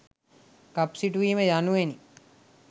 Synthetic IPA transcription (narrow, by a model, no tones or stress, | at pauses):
kapsiʈuʋiːməjanuʋeni